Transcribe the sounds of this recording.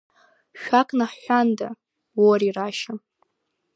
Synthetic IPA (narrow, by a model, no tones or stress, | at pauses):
ʃᶣakʼʰnaħːʷanda | woɾiraʃam